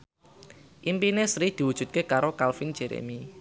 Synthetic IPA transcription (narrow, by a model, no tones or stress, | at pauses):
ʔimpinesɾid̪̥i̤wu̥ʒ̥ṳt̪̚kekaɾokalfɪŋ̥ʒ̥e̤ɾḛmi